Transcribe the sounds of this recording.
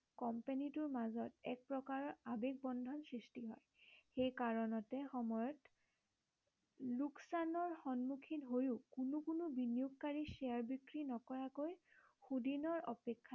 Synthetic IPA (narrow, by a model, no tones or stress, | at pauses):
kɔmpanitʊɹmazɔtɛk̚pɹɔkaɹɔabek̚bɔndʱɔnsɹistiɦɔ̰j | xejkaɹɔnɔtɛxɔmɔjɔt | luksanɔɹxɔnmukʰinɦojʊkunukunʊbinijuk̚kaɹiseaɹbikɹinɔkɔɹakojxudinɔɹɔ̰pekʰːa